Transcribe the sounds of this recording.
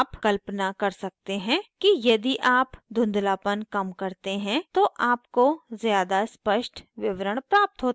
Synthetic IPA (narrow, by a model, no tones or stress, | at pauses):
pkɐlpənakɐɾsɐk̚t̪eɦɛ̃kijɐd̪iʔaːpd̪ʱʊ̃nd̪laːpənkɐmkɐɾt̪eɦɛ̃t̪oʔaːpkozjaːd̪aspəʃʈʰʋɪʋɾəɽ̃pɾaːp̚t̪ɦoːt̪ː